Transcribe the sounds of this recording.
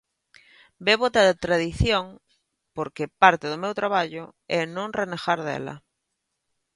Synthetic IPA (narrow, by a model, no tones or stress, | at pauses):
beβot̪aðt̪ɾaðiθjoŋ | poɾkepaɾt̪eðʊmewt̪ɾaβaʎʊɛnõŋrenexaɾðɛ̰lɐ̰